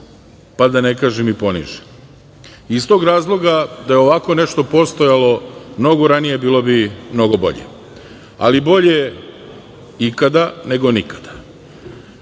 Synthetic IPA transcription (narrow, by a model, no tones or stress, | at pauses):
pad̪ane̞kaːʒemipo̞nḭʒe | ist̪oɡɾaːzlˠo̞ɡad̪ajeo̞ʋako̞ne̞ʃt̪o̞po̞st̪ojalo̞mno̞ɡoɾanijebiːlˠo̞bimno̞ɡobo̞̰ʎḛ | a̰libo̞ʎe̞ | ikad̪ane̞ɡo̞nikḁd̪̥a